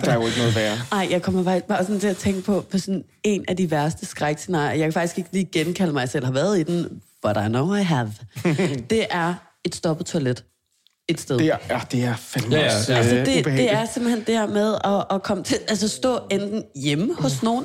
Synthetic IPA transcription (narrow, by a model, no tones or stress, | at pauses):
d̥ɑod̥nɔðˠʋæːɐnɑ̈ɪ̰jɑ̈ɪkʰɒ̽m̰ɐfɑɡ̥ib̥ɑ̈sɔnt͡sʰe̝æt͡sʰeŋ̰ɡ̥əpʰɒ̽pʰɒ̽sɔ̽n | e̝næd̥iʋæɐsd̥əsɡ̥ʁaɪɡ̥se̝nɑ̰̈ːjɐjɑaɪkʰæfɑ̈ɡ̥isɡ̥e̝ɡ̥liːɡ̥enkʰæləmɑ̈ɪsel̰hɑ̈ʋæɐð̞̩ˠid̥enb̥ɒɾaɪnoʊaɪɦæʋ | d̥e̝ʔæɐ | e̝d̥sd̥ɒ̽b̥ð̩ˠt͡sʰoæled̥ | e̝d̥sd̥eðd̥e̝æɐfɛlmælsəd̥e̝bde̝æɐsem̰bl̩hend̥eeɐmeðˠɒ̽ːkʰɒ̽mət͡sʰe̝ʔælsəsd̥ɔ̰̽ːend̥n̩jeməhɔ̽sno̝ːn̩